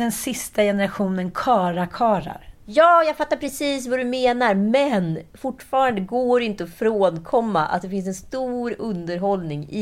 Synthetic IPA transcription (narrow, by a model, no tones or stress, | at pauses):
d̪ɛnsɪst̪ajɛnəɾaɧuːnənkʰɑːɾakʰɑːɾa̰ɾjɑːjaːɡfat̪ːaɾpʰɾɛsiːsvad̪ɵmeːnaɾmɛnfʊʈːfɑːɾand̪əɡoːɾɪnt̪əɔfɾoːnkʰɔmːa̰ʔa̰t̪̚d̪ɛfɪns̬ɛnst̪uːɾɵnd̪əɾɦɔlnɪŋɪ